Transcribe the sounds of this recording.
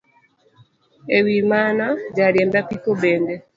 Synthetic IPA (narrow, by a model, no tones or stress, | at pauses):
ewimanaɟaɾjɛmbapikobɛːndɛ